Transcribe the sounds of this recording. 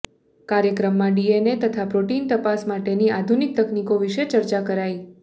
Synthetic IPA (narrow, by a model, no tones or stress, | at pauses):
kaɾjəkɾəmːãɖienet̪ət̪ʰapɾoʈint̪əpasmaʈeniad̪ʱunik̚t̪əknikoʋiʃet͡ʃəɾt͡ʃakəɾai